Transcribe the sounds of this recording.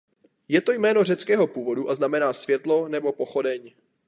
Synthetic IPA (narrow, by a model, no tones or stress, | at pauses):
jɛt̪o̞jmɛːno̞r̝ɛt͡skɛːɦo̞puːvo̞duʔaznamɛnaːsvjɛt̪lo̞nɛbo̞po̞xo̞dɛɲ